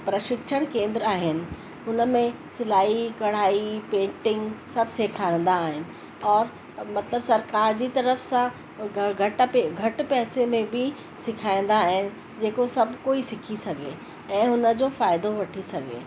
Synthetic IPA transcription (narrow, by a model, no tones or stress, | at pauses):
pɾɐʃɪkʃəɽ̃kẽːnd̪ɾaːɦɪnɪ̆ | ʊnə̆mẽsɪlaːikɐɽ̤aːipẽːɳʈɪ̃ŋɡsɐbʱseːkʰaːɪ̃n̆d̪aːɦɪnɪ̆ | ɔːɾ | mɐt̪ləbsɐɾkaːɾd͡ʑit̪ɐɾəfsã | ɡʱɐʈpeɡʱɐʈpɛːsemẽbʱi | sɪkʰaːĩn̆d̪aːɦɪnɪ̆ | d͡ʑeːkosɐbʱkoːisɪkʰisɐɡʱe | ɛ̃ːɦʊnə̆d͡ʑoːfaːɪd̪oʋɐʈʰisɐɡʱḛː